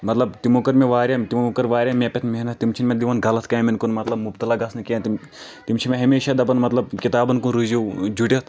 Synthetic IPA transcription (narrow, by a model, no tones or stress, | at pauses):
mɐt̪lɐb̚t̪imoːkɐɾmeʋaːɾʲjat̪imːkɐɾʋaːɾʲjamʲepʲɐt̪ʰmeɦnɐt̪̚t̪imt͡ʃʰinmed̪iʋɐnɡɐlɐt̪ʰkaːmɐnkunmɐt̪lɐbmubt̪ɐlaːɡɐsnɨkeɐt̪i | t̪imt͡ʃʰinmeɦɐmeːʃad̪ɐpɐnmɐt̪lɐb̚kit̪aːbɐnkunɾuzid͡ʒuʈʲɐt̪ʰ